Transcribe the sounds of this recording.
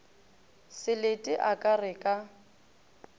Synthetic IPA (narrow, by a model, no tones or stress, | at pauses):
sɪletʼɪʔakʼarɪkʼa